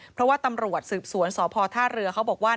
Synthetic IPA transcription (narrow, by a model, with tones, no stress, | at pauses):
pʰɾɔ˦˥waː˥˩t̪a˧mɾu˨˩ət̪̚sɯː˨˩p̚su˩˦ənsɔː˩˦pʰɔː˧t̪ʰaː˥˩ɾɯ˧ɐkʰa˦˥wbɔː˨˩k̚waː˥˩